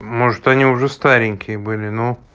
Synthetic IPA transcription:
moʐɨt̪ɐnʲiʊʐɛst̪aɾʲɪnʲkʲɪjəbɨlʲɪno

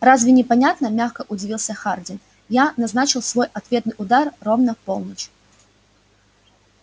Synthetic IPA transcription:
razvʲɪnʲɪpanʲat̪nɐmʲaxkɐʔʊd͡zʲɪvʲilˠsʲɐxard͡zʲɪn | janaznat͡ɕɨlˠsvɔjat̪vʲet̪nɨʔʊd̪arːɔvnɐfpɔlˠnət͡ɕ

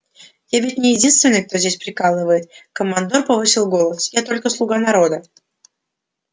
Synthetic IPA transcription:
javʲɪtʲnʲɪjɪdʲinst̪vʲɪnːɨjək̚t̪o̞zʲdʲesʲpɾʲɪkalˠɨvəjɪt̪kəmːɐnd̪orpɐvɨsʲɪlˠɡo̞lˠəsjat̪o̞lʲkəslˠʊɡanɐɾo̞d̪ə

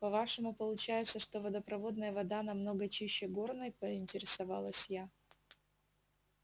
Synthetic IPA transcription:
pɐvaʂɨmʊpəlˠʊt͡ɕæjɪt̪səʂt̪o̞vɐd̪əpɾɐvo̞d̪nəjəvɐd̪anɐmno̞ɡət͡ɕiɕːɪɡornəjpəɪnʲtʲɪɾʲɪsɐva̰lˠəsʲja

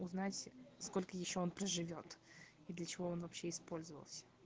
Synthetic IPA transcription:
ʊznatʲsko̞lʲkəjɪɕːoonpɾəʐɨvʲo̞t̪ | id̪lʲət͡ɕɪvo̞onvɐpɕːe̞ɪspo̞lʲzəvə̰lˠsʲə̥

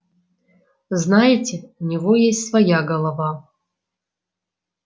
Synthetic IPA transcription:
znajɪtʲɪunʲivojesʲtʲsvɐjaɡɐlˠɐva

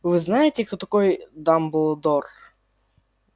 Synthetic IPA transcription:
vɨznajɪtʲɪkt̪ot̪ɐkojd̪ambɨlˠəd̪or

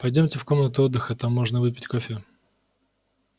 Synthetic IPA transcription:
pɐjdʲomʲtʲɪfko̞mnət̪ʊod̪ːɨxət̪amːoʐnəvɨpʲɪ̥tʲkofʲɪ

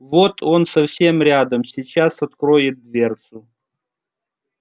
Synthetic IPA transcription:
vot̪ʰo̞nsɐfsʲe̞mɾʲad̪əmsʲit͡ɕasɐt̪kɾoɪt̪̚d̪vʲe̞rt̪sʊ

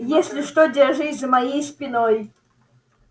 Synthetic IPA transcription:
jesʲlʲɪʂt̪odʲɛrʐɨtʲzɐmajejspʲɪnoj

